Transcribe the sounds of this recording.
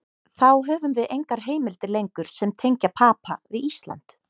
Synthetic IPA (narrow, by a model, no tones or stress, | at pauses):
θawɦœːvʏmvɪðejŋkaɾ̥ɦeːjmɪlt̪ɪlejŋkʏɾ̥sɛmt̪ʰejɲcapʰaːpavɪðist̪la̰nt̪